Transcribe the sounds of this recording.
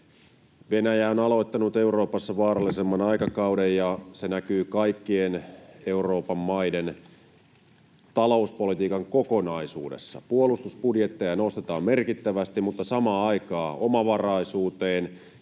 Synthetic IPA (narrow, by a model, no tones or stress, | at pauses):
ʋe̞næjæonɑlo̞it̪ːɑnut̪e̞uro̞ːpɑsːɑʋɑːɾɑlːisemːɑnɑikɑkɑudejjɑsenækyːkɑikːiene̞uro̞ːpɑmːɑide̞n | t̪ɑlo̞uspo̞lit̪iːkɑŋkoko̞nɑisṵːdḛsːɑ̰puolust̪usb̥udjet̪ːejɑnost̪et̪ɑːmme̞rkit̪ːæʋæst̪imut̪ːɑsɑmɑːɑikɑːʔomɑʋɑrɑisuːt̪eːn